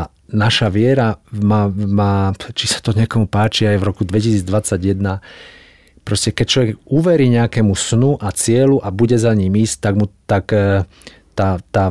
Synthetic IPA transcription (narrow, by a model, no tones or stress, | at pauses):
naʃaʋɪɛɾamamaːt͡ʃisḁt̪ɔɲɪɛkɔmupaːt͡ʃiajvɾɔkud̪ʋɛcisiːd͡zd̪ʋat͡sːaɟjɛd̪na | pɾɔscɛkɛc̚t͡ʃlɔʋɛɡuʋɛɾiːɲɛakɛmusnuʔat͡sɪɛluʔabuɟɛzaɲiːmiːsct̪aɡmut̪ak | t̪aːt̪aː